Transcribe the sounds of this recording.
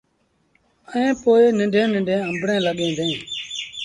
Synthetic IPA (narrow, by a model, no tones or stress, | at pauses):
əẽːpoːeːnɪɳɖʱẽːnɪ̃ɳɖʱẽːə̃mbɽẽːləɠẽːd̪ẽː